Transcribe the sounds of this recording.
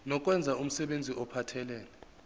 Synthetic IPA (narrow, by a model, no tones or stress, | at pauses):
nɔk̬ʼwɛnd͡zʱaum̩sɛɓend͡zʱiʔɔpʰatʰɛlɛːlɛ